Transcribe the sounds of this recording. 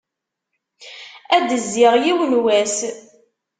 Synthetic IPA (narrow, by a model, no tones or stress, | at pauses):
æd̪əzːɪʁjiwnwæs